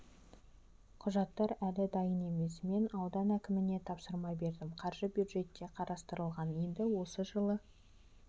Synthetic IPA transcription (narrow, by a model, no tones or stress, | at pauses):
qʰʊʒɑt̪ːɑɾælɪd̪ɑjəne̞me̞sme̞nɑwd̪ɑnækʲɪmɪne̞t̪ʰɑpsəɾmɑbe̞ɾd̪ɪmqʰɑɾʒəbjud̪ʒe̞t̪ːe̞qʰɑɾɑst̪əɾəlˠʁɑnje̞nd̪ɪwo̞səʒəlˠə